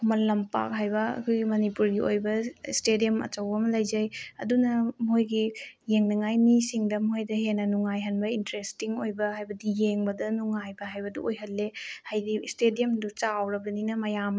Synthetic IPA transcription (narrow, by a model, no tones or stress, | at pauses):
kʰumɐlːɐmpa̰k̚ɦajbɐɐ̰kʰojɡimɐnipuɾɡiojbɐstedijɐmɐ̰t͡ʃɐwbɐmɐlɐjzɐjɐ̰dunɐmojɡijeŋnɐŋajmisiŋdɐmojdɐɦenːɐnuŋajɦɐnbɐintɾestiŋojbɐɦajbɐdijeŋbɐdɐnuŋajbɐɦajbɐdṵojɦɐlːehajdistedijɐmdut͡ʃawɾɐbɾɐninɐmɐjam